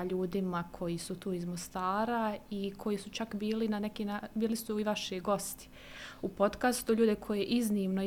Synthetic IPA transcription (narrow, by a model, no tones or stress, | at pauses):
ʎuːd̪imakʰo̞jisut̪uːizmost̪aːɾaikʰo̞jisut͡ʃakbiːlinane̞kinabiːlisuiʋaʃeɡo̞st̪i̥ | upo̞t̪kast̪uʎuːd̪e̞kʰo̞jeʔizniːmno